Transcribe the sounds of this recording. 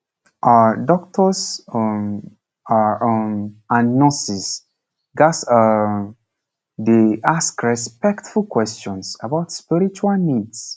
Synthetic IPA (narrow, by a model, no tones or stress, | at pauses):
ʔadɔk̚tʰɔs | ãnnːɔ̃sis | ɡas | deʔaskɹɛspɛktfulkwɛst͡ʃɔ̃nsabaʊtspiɹit͡ʃualnids